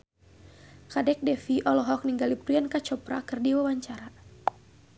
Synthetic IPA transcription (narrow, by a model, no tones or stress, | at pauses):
kadɛk̚dɛfiʔɔlɔɦɔk̚niŋɡalipɾiankat͡ʃɔpɾa̰kɨrdiwawaɲt͡ʃaɾa